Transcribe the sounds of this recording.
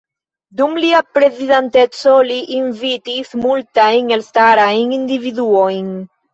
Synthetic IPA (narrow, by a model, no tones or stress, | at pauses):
dumliapɾe̞zidante̞t͡so̞liʔinvitismultajnelstaɾajnindividuo̞jn